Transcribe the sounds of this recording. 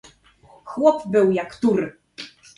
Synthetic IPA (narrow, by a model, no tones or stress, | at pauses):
xwɔpbɘwjakt̪uɾ